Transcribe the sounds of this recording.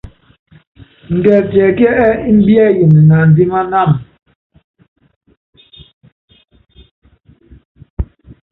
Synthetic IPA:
n̩˨dɛ˨tjɛ˨kɛ˦ʔɛ˦i˦m̩˦bjɛ˦˨ji˨n˨na˨n̩˨di˦ma˦na˦˨m

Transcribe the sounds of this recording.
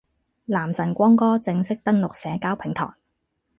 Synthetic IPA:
laː˨˩msɐ˨˩nkʷɔː˥ŋkɔː˥t͡sɪ˧ŋsɪ˥k̚t̪ɐ˥nlʊ˨k̚sɛː˨˥kaː˥wpʰɪ˨˩ŋt̪ʰɔ̰ː˨˩ŋ

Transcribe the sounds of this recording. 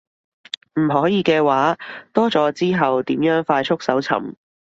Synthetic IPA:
m̩˨˩ɦɔː˨˥jiː˨˧kɛː˧waː˨˥t̪ɔː˥t͡sɔː˨˥t͡siː˥ɦɐ˨wt̪iː˨˥mjœː˨˥ŋfaː˧jt͡ʃʰʊ˥k̚sɐ˨˥wt͡sʰɐ̰˨˩m

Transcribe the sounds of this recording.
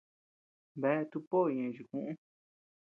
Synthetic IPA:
βe˦˧t̪u˧põ˦˨˧ẽ˨˧˨ʒi˧˨kũ˦ʔũ˦

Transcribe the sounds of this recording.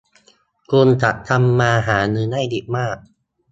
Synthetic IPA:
kuː˧nt̪ʰa˨˩t̚t̪ʰa˧mːaː˧ɦaː˩˦nɯː˧na˥˩jdi˨˩k̚maː˥˩k̚

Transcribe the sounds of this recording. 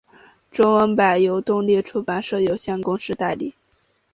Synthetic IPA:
ʈ͡ʂo˥ŋwə˧˥npa˨˩ɪjo˧˥ʊt̪ʊ˥˧ŋli˥˩ʈ͡ʂʰu˥pa˨˩nʂɤ˥˩jo˨˩ʊɕjɛ˥˩nkʊ˥ŋʂɻ̩˥˧t̪a˥˧ɪli˥˩

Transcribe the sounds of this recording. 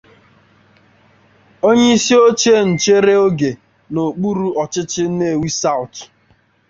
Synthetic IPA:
o˦ɲe˦i˦si˦o˦t͡ʃe˦n̩˨t͡ʃe˦ɾe˦o˦ɡe˨ | no˨k͡pu˦ɾu˦ɔ˨t͡ʃɪ˦t͡ʃɪ˦ne˦˨wi˦sa˦ʊ˨t

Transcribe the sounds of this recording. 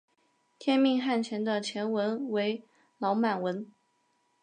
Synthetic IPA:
t̪ʰjɛ˥nmi˥˧ŋxa˥˩nt͡ɕʰjɛ˧˥nd̪ə˧t͡ɕʰjɛ˧˥nwə˧˥nwe˧˥ɪ | lɑ˧˥ʊma˨˩nwə˧˥n

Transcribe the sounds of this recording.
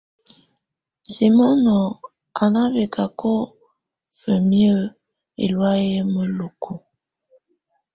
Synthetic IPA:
si˨mɔ˦nɔ˨ | a˨na˦ve˨kʰa˨kʰo˦ | fə˨mjə˦ | ḛ˨lwa˦je˦mə˦lo˨kʰo˨

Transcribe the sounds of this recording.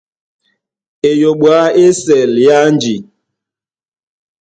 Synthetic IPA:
e˨jo˨ɓwa˨˦e˦sɛ˨lja˦n˦d͡ʒi˨

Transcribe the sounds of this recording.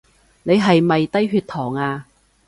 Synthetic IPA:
ne˨˧jɦɐ˨jmɐ˨jt̪ɐ˥jɦyː˧t̪ʰɔː˨˩ŋaː˧

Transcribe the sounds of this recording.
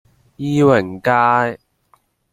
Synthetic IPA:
jiː˧wɐ˨˩ŋkaː˧j

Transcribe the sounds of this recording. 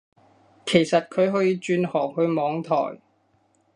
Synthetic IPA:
kʰe˨˩jsɐ˨t̚kʰɵ˨˧ɥɦɔː˨˥jiː˨˧t͡ʃyː˧nhɔː˨˩ŋɦɵ˧ɥmɔː˨˧ŋt̪ʰɔ̰ː˨˩j

